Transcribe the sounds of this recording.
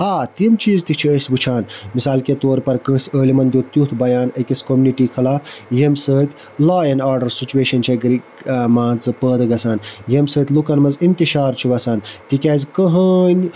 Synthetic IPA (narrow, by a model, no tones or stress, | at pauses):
aːt̪imt͡ʃiːzt̪it͡ʃʰiəsʲbut͡ʃʰaːnmisaːlket̪oːɾpɐɾkə̃ːsʲəːlimɐnd̪joːt̪jut̪ʰbɐjaːnɐkʲisʲkomʲuniʈiːkʰɐlaːjemsəːt̪ʲʰ | laːɐnaːɾɖɐɾsit͡ʃuweːʃɐnt͡ʃʰɐɡɾi | maːnt͡sɨpəːd̪ɡɐsaːnjemsəːt̪ʰʲlukɐnmɐzint̪iʃaːɾt͡ʃʰiʋɐsaːnt̪ikʲaːzʲkəɦənʲ